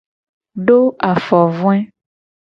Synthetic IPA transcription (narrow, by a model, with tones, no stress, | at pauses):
ɖo˦a˨fɔ˨vũ˦ɛ˦